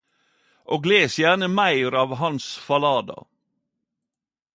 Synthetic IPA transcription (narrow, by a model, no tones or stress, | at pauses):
ʔoːɡleːsjæːnəmæɪɾɑːʋɦɑnsfɑlɑːd̪ɑ̰